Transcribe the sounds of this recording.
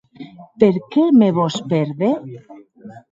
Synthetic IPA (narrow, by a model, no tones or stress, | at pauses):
peɾkemeβospeɾðe